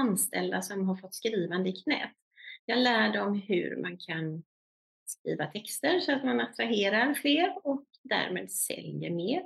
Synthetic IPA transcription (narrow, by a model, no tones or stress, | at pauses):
anst̪ʰɛ̰ld̪asɔmɦaɾfɔt̪ːskɾiːvand̪əɪkʰnɛ̰ːt̪ | jɑːɡlæːɖɔmɦɵ̰ɾmʔankʰan | skɾḭːvat̪ʰɛkst̪əɾsɔat̪manat̪ɾaɦeːɾaɾfleːɾɔk | d̪æ̰ːɾmḛːd̪sɛ̰ljə̰ɾmeːɾ